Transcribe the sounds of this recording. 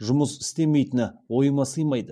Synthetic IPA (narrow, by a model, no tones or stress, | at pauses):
ʒʊməsɪ̥st̪e̞me̞jt̪ɪnɪwo̞jəmɑsəjmɑjd̪ə